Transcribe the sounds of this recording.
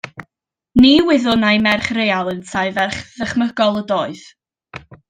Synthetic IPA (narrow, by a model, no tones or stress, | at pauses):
niwɪðʊnajmɛrχrejalˠənsʰajvɛrχðəχməɡ̥ɔlˠədoːɨð